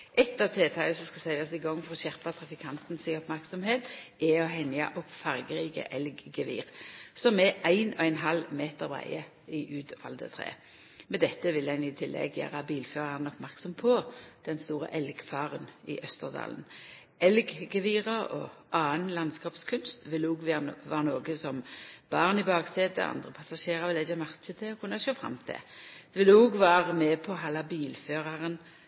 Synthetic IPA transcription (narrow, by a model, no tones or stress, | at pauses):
ʔɛt̪ːɑːʋt̪ʰeːt̪ʰɑːɡəsɔmskɑsæɪɑsɪɡɔŋːfɔʁɔɕæʁpɑt̪ʰʁɑfɪkʰɑnt̪nsɪŋɔpmæʁksɔmheːt̪ɛɔɦɛnjɑ̰ʔɔpfɑʁɡəʁiːkə̰ʔɛlɡːəʋḭːʁsɔmɛʔæɪnɔæɪnɦɑlmeːt̪əɾʋæ̰ɪə | ɪʔʉːt̪ʋɑ̰ld̪ə̰t̪ʰʁḛː | mɛd̪ɛt̪ːəʋɪlæɪnɪt̪ʰɪlːɛ̰ɡjæ̰ːʁɑbiːlføːʁɑʁnɔpmæʁksɔmpʰɔd̪̥ɛnst̪uːʁə̰ʔɛlɡfɑːʁənɪ̰ʔœst̪əʁd̪ɑ̰ːln | ɛlɡɡəʋiːʁəʁɔ̰ʔɑːənlɑnskɑːpskʰʉnst̪ʋɪlːəuːɡʋʋæːʁənoːɡəsɔmb̥ɑʁnɪbɑːɡseːd̪ə̰ʔɑ̰nd̪ʁəpʰɑsɑʃeːʁɑʁʋɪlɪçəmæʁt͡ʃət̪ʰɪlɔkʰʉnːəʃoːfʁɑ̰mːt̪ʰɪ̰d̪̥ɛʋɪlːəuɡʋæːʁəmɛːpʰɔɦɑlːɑbiːlføːʁɑʁən